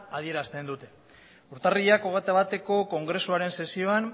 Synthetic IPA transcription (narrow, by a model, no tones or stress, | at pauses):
aðie̞ɾast̪e̞nd̪ut̪e̞ | uɾt̪ariʎakoɣet̪aβat̪e̞ko̞ko̞ŋɡɾe̞suaɾe̞nse̞sio̞an